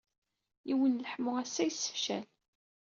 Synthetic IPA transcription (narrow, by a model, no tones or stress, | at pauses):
iwənləħmʊæsːæjsːə̥fʃæ̰l